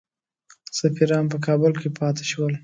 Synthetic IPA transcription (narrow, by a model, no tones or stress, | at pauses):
safiɾɑnp̬əkʰɑbəlkepʰɑt̪e̥ʃwəl